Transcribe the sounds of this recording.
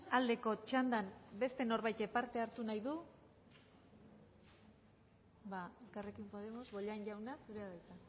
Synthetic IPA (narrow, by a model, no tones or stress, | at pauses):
ald̪e̞ko̞t͡ʃand̪anbe̞st̪e̞no̞ɾβajt̪epaɾt̪e̞aɾt̪unajðu | baelkare̞kimpo̞ð̞e̞mo̞zβo̞ʎanʝawnasuɾeaðajt̪a